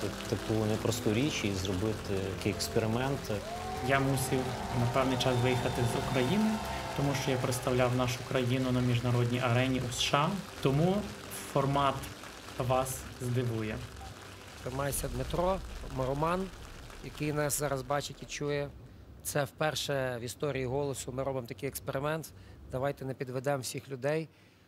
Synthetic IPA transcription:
t̪ɐkunɛpɾɔst̪uɾʲit͡ʃizɾɔbɪt̪ɪtɐkɪjɛkspeɾɪmɛnt̪ | jamusʲiw | nɐpɛwnɪjt͡ʃɑsʋɪjixɐt̪ɪzukɾɐjinɪt̪ɔmuʃt͡ʃɔjapɾet̪st̪ɐwlʲawnɑʃʊkɾɐjinʊnɐmʲiʒnɐɾɔdʲnʲiʔɐɾɛnʲiʔusʃɑt̪ɔmu | fɔrmɑt̪ | ʋɑszd̪ɪʋujɛ | t̪ɾɪmɑjsʲɐd̪mɪt̪ɾɔmɐɾʊmɑn | jɐkɪjnɑszɑɾɐzbɑt͡ʃɪtʲit͡ʃujɛ | t̪sɛwpɛrʃɛʋʲist̪ɔɾʲijiɦɔlˠɔsʊmɪɾɔbɪmt̪ɐkɪjɛkspeɾɪmɛnt̪d̪ɐʋɑjt̪ɛnɛpʲid̪ʋɛd̪ɛmwsʲixlʲʊd̪ɛj

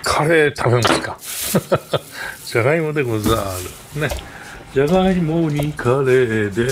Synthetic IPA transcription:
kʰaɾet̪ʰabemaska | d͡ʑaɣaimod̪eɡozaɾɯ | ne | d͡ʑaɣaimoɲikʰaɾed̪e

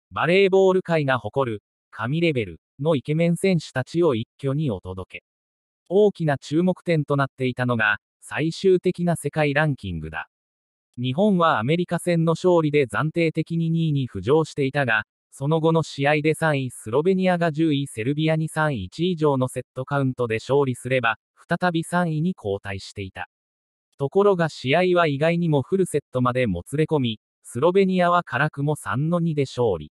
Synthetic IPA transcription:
baɾe̞ːbo̞ːɾɯ̟kaiɡaho̞ko̞ɾɯ̟ | kʰamʲiɾe̞be̞ɾɯ̟ | no̞ike̞mẽ̞ɰ̃sẽ̞ɰ̃ɕɨ̥t̪at͡ɕio̞ikʲːo̞ɲ̟io̞t̪o̞d̪o̞ke̞ | o̞ːkʲinat͡ɕɨːmo̞kɯ̥t̪ẽ̞nt̪o̞nat̪ːe̞it̪ano̞ɡa | saiɕɨːt̪e̞kʲinase̞kaiɾãŋkʲĩŋɡɯ̟d̪a̰ | ɲ̟iɦõ̞ɰ̃βaːme̞ɾʲikasẽ̞nːo̞ɕo̞ːɾʲid̪e̞zãnt̪e̞ːt̪e̞kʲiɲ̟iɲ̟iːɲ̟iɸɯ̟ʑo̞ːɕi̥t̪e̞it̪aɡa | so̞no̞ɡo̞no̞ɕiaid̪e̞sãɰ̃isɨɾo̞be̞ɲ̟iaɡaʑɨːise̞ɾɯ̟bʲiaɲ̟isãɰ̃it͡ɕiːʑo̞ːno̞se̞t̪ːo̞kaɯ̟̃nt̪o̞d̪e̞ɕo̞ːɾʲisɨɾe̞ba | ɸɯ̥t̪at̪abʲisãɰ̃iɲ̟ikʰo̞ːt̪aiɕi̥t̪e̞it̪a̰ | t̪o̞ko̞ɾo̞ɡaɕiaiβaiɡaiɲ̟imo̞ɸɯ̟ɾɯ̟se̞t̪ːo̞mad̪e̞mo̞t͡sɨɾe̞ko̞mʲi | sɨɾo̞be̞ɲ̟iaβakʰaɾakɯ̟mo̞sã̰nːo̞ɲ̟id̪e̞ɕo̞ːɾʲḭ

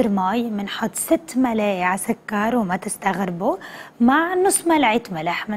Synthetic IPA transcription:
ɾmaːjmɪnħʊt̪ˤːsɪt̪ːmalaːjʕasakːɑɾˤwmat̪ɪst̪aɣɾɪbumaʕnʊsˤːmalʕiːt̪malaħmɪ

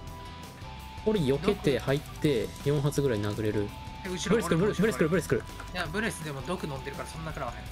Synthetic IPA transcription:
oɾʲijo̞ke̞t̪e̞hait̪ːe̞jõ̞ɰ̃ɦat͡sɨɡɯ̟ɾaiinaɡɯ̟ɾe̞ɾɯ̟ | ɯbɯɾesɨkɯɾɯbɯ̟ɾebɯ̟ɾesɨ̥kɯɾɯ̟bɯ̟ɾesɨ̥kɯɾɯ̟ | jabɯ̟ɾesɨd̪emod̪okɯ̟nõ̞nd̪e̞ɾɯ̟kaɾasonoːakaɾaβahẽ

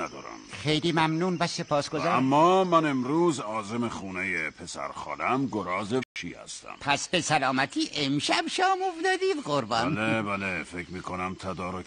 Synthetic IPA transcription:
æd̪ɒːɾæ̰mχe̞jliːmæmnuːnvæse̞pʰɒːsɡ̥o̞zææmːɒːmæne̞mɾuːzɒːzemexuːnejepʰesæ̰ɾxɒ̰ːlæmɡoɾɒːzet͡ʃʰḭːhæ̰st̪æ̰mpʰæsbe̞sælɒːmæt̪ʰiːʔemʃæbʃɒːmofd̪ɒːd̪iːd̪ɢoɾbɒ̰nlebælefekmiːkʰonæmt̪ʰæd̪ɒːɾo

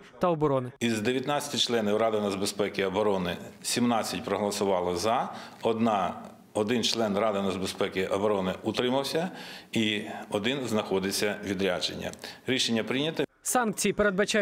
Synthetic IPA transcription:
t̪ɐɔbɔɾɔnɪizd̪eʋʲjɐt̪nɑt͡sʲɐ̥tʲɪt͡ʃlˠɛnʲɪwrɑd̪ɪnɐzbespɛkʲɪɐbɔɾɔnɪsʲimnɑt͡sʲːɐtʲpɾɔɦɔlˠɐsʊʋɑlˠɪzɐɔd̪nɑ | ɔd̪ɪnt͡ʃlˠɛnrɑd̪ɪnɐzbespɛkʲɪʔɐbɔɾɔnɪut̪ɾɪmɐwsʲɐiɔd̪ɪnznɐxɔd̪ɪt͡sʲːɐʋʲid̪ɾʲad͡ʒḛnʲːɐ̰ɾʲiʃenʲːɐpɾɪnʲɐt̪ɪ | sɑnk̚t͡sʲijipeɾed̪bɐt͡ʃa

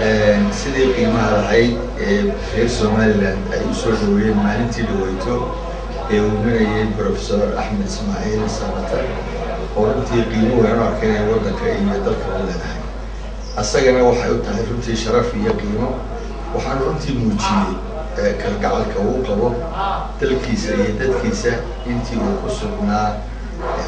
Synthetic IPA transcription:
ʔɛːnsɪðiːqiːmɐɦɐlɐɦɛjd̪ | ɛːrɛːrsɔːmaːlɪlaːnd̪ɛ̰jʊsɔːɖɐwɛjɛmaːlɪnt̪ʰiːɖɐwɛjt̪ʰɔ | ɛːuːmɪnɐjɛjbɾɔːfɛ̥sɔːrɑ̰ħmɐd̪ɪsmaːʕiːlsɐɾɐt̪ʰɐ | ɔːrʊnt̪ʰiːqiːmɐwɾaːnʊɐrkʰɛɪnɛjwɑd̪ɐŋkʰɐijɞd̪ɐlkʰɐʊlɛːðɐhɛjd̪ | ʔɐsɐɣɐnɐwɑħɑjʊt̪ʰɐɦɛjrʊnt̪ʰiːʃɐɾɐfijɔqiːmɔ | wɑħɑːnʊrʊnt̪ʰiːmuːt͡ʃɪjɛj | kʰɐlɡɑʕɑlkʰɐuːqɑβɔ | d̪̥ɐlkʰiːsɐijɞd̪ɐd̪kʰiːsɐ | ɪnt̪ʰiːuːkʰʊsʊɡnaː

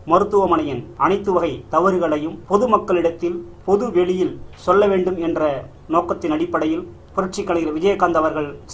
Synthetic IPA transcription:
mɐɾɯt̪ːɯʋɐmɐɳɐjɪnɐɳɐɪt̪ːɯʋɐɣɐɪt̪ɐʋɐɾɯɣɐɭɐjɯmpɔðɯmɐkːɐɭɪɽɐt̪ːɪl | pɔðɯʋɛɭɪjɪlsɔlːɐʋeːɳɖɯmɛndrɐ | noːkːɐt̪ːɪnɐɽɪpːɐɽɐjɪl | pʊɾɪʈ̚t͡ʃɪkːɐɳɐjɪlʋɪd͡ʒɐjɐkːaːnd̪ɐʋɐɾɣɐɭ

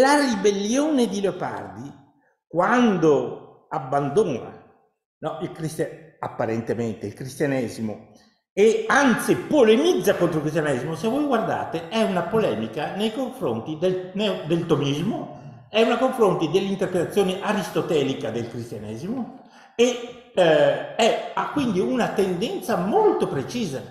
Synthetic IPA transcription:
laribelːjoːned̪ileopa̰rd̪i | kwand̪o | abːand̪oːna̰ | nɔilkɾist̪aapːaɾɛnt̪ement̪eilkɾist̪janɛːzimo̰ | eant̪sipolemid̪zːakont̪ɾoulkɾis̬t̪janɛzmosevːɔjɡward̪a̰ːt̪eɛunapolɛːmikanejkoɱfɾo̰nt̪id̪enɛd̪elt̪omizmo | ɛunakoɱfɾont̪id̪elːint̪erpɾet̪at̪sːjoːneʔaɾist̪ot̪ɛːlikad̪elkɾist̪janɛːzimo | e | ɛakːwind̪iunat̪end̪ɛnt̪samolt̪opɾet͡ʃiːza

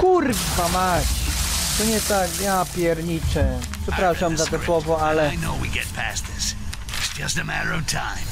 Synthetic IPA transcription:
kuɾbʲpamaɕt̪ɔɲɛt̪akjapʲjɛɾɲit͡ʂɛpʂɛpɾaʂamzat̪ɛswɔvɔalɛɪnoʊwḭɡɛt̚pʰæ̰sðɪs | ɪtsd̥ʒ̥ʌstɨmæɾə˞ʌv̥tʰãɪ̃m

